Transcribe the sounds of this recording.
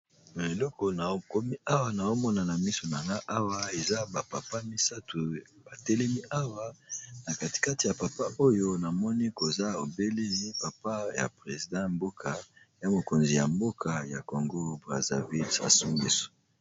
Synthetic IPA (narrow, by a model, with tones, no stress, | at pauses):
ma˨e˨lɔ˦kɔ˨na˨o˦ko˦mi˦a˦wa˨na˨o˦mɔ˦na˨na˨mi˦so˨na˨ŋɡa˦ʔa˦wa˦e˨za˦ba˨pa˨pa˦mi˦sa˦tu˨ | b̥a˨te˦le˦mi˦ʔa˦wa˦na˨ka˨ti̥˨ka˦ti˨ja˨pa˨pa˦ʔo˦jo˦na˨mɔ˦ni˦ko˨za˦o˨be˦le˦i˦pa˨pa˦ja̰˨pʁe˨zi˨dã˦mbo˦kʰa˨ | ja˨mo˨ko˨nzi˨ja̰˨mbo˦kʰa˨ja̰˨ko˨ŋɡo˦bʁa̰˨za̰˨vi˦lsa̰˨su˦ŋɡḛ˨so̥˨